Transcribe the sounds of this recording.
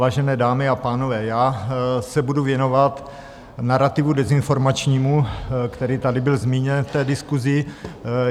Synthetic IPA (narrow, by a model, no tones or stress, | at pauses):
aːʒɛnɛːdaːmɪapaːnovɛːjaːsɛbuduvjɛno̞vat̪ | naɾat̪ɪvudɛzɪnfo̞ɾmat͡ʃɲiːmukt̪ɛɾiːt̪adɪbɪlzmiːɲɛnft̪ɛːdɪskuzɪ